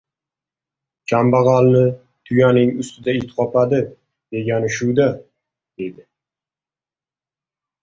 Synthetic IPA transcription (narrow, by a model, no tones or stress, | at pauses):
kʲʰambaʁɑlnɪ | t̪ʰʊjanɪŋʊst̪ʰɪd̪aɪlt̪ʰqɒpad̪ɪ | d̪̥e̞ɡʲanɪʃʊwd̪a | d̪e̞d̪ɪ